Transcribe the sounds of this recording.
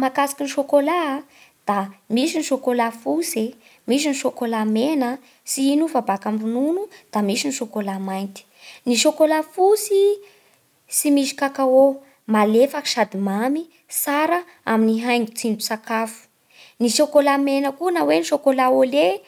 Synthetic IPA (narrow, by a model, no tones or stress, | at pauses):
makasḁkiniʃokolad̪̥amisiniʃokolafuse | mis̬iniʃokolamenə | siinufabakambununud̪̥amisiniʃokolamajnt̪i̥niʃokolafusi | simiʃi̥kakao | malefaki̥ʃad̪imami | saɾə | a̰miniɦajŋɡut͡sinusakafu̥ | niʃokolamenəkunaweniʃokolaole